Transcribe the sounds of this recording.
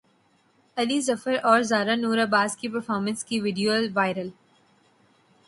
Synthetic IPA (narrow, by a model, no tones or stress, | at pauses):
ɐlizɐfəɾɔːɾzaːɾanuːɾaːbaːzkipɐɾfɔːɾmə̃nskiʋɪɖijoəlʋaːɪɾəl